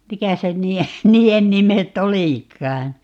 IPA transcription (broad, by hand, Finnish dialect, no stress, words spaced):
mikæ se nˑiːe niːen mimetˑ oliˑkˑɑːn̞